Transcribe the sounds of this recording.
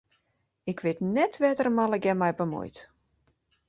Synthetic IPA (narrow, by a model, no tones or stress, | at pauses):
ɪkʰʋɪtnɛtʰʋɛtərəmalˠəɡɛmɛjbəmṵjt